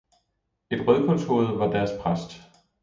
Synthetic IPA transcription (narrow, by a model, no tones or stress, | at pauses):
e̝d̥ʁœð̞ˠkʰɔ̽nt͡sʰo̝̰ɐð̩ˠʋɑ̈d̥æɐspʰʁasd̥